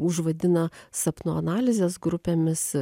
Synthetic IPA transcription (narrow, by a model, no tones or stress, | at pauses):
ʊʒʋɐd̪ʲɪnɐsɐpnoɐnɑːlʲɪzʲeːsɡɾʊpʲeːmʲɪs